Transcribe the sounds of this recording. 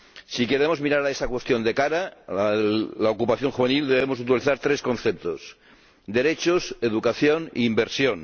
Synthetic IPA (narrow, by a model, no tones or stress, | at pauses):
sike̞ɾemo̞zmiɾaɾaesakwe̞st̪jo̞nd̪e̞kaɾa | laokupaθjoŋxuβenild̪eβ̞emosut̪iliθaɾt̪ɾeskõ̞nθep̚t̪os | d̪e̞ɾet͡ʃoseðukaθjonḭːmbeɾsjon